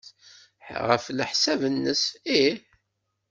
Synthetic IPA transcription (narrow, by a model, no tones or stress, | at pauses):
ħʁə̰fləħsævənːəsiħ